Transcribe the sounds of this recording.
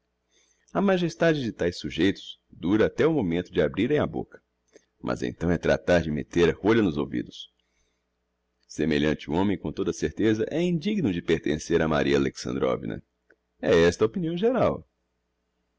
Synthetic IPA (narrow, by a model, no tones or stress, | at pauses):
ɐmaʒest̪ad͡ʒɪd͡ʒɪt̪ajsuʒejt̪ʊ̥sd̪uɾɐat̪ɛʊmomẽnt̪ʊd͡ʒɪabɾiɾẽj̃abo̰kɐ̥ | mʔɐ̰zḛ̃nt̪ɐ̃w̃ɛt̪ɾa̰t̪aɾd͡ʒɪmḛt̪eɾɐhoʎɐnʊzowvḭd̪ʊs | semeʎɐ̃t͡ʃɪuõmẽj̃kõt̪od̪ɐseɾt̪ezɐʔɛĩd͡ʒiɡnʊd͡ʒɪpeɾt̪ẽseɾɐma̰ɾiɐaleksɐ̃nd̪ɾɔ̰vḭnɐ̰ | ɛɛst̪ɐopiniɐ̃w̃ʒeɾaw